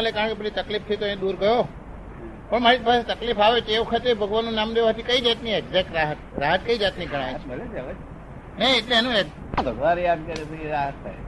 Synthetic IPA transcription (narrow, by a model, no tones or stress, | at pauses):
alekaə̃kebəɽit̪əklif̚t̪ʰit̪oẽd̪uɾɡəjo | pəɳmaɾit̪baset̪əklifaʋet͡ʃʰeeʋəkʰət̪ebʱəɡʋanːũnːamd̪eʋaɦət̪ʰikəid͡ʒat̪niɛɡzɛk̚ʈɾaɦət̪ɾaɦət̪̚kəid͡ʒat̪niɡʱəɽ̃ajəled͡ʒəʋe | nɛeʈleenũe | bʱəɡʋanjad̪̚kəɾet̪əeɾaɦət̪ːʰa̰j